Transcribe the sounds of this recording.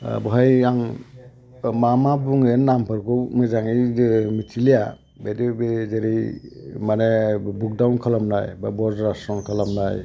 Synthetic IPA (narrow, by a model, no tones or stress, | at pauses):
bɔɦajaŋ | mamabuŋinːampʰɯɾkʰɔmɯzaŋimitʰilija | bedibezeɾimanebuk̚dawnkʰalamnajbabɔzɾasɔnkʰalamnaj